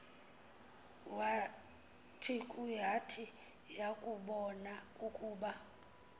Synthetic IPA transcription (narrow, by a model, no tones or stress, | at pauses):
wa | tʰikʼuɦatʰi | jakʼuɓɔna | ukʼuːɓa